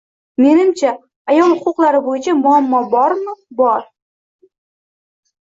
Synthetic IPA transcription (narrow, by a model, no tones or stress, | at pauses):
me̞nɪmt͡ʃʰaː | jɒlˠhʊqʰʊqlˠaɾɪbojɪt͡ʃʰamʊamːɒbɒɾmɪbɒɾ